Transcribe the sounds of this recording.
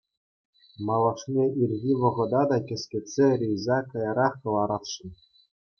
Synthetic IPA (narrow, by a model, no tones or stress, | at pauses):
mɑlˠɤʂnʲeʔirʲɣʲiʋɤ̆ʁɤ̆d̪ɑd̪ɑkʲɘ̆sʲkʲĕtʲsʲerʲejzɑkɤjɤɾɑχkɤ̆lˠɑɾɑt̪ʂɤ̆n